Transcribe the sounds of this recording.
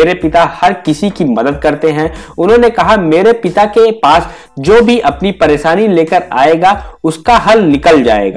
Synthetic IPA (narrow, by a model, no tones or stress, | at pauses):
ɾepɪt̪ahɐɾkɪsikimɐd̪əd̪̚kɐɾt̪eɦɛ̃ʊnɦõnekɐɦameːɾepɪt̪akepaːs | d͡ʒoːbʱiʔɐpnipɐɾeːʃaːnileːkəɾa̰ːeːɡaʊskaɦɐlnɪkəld͡ʒa̰ːḛːɡa̰ː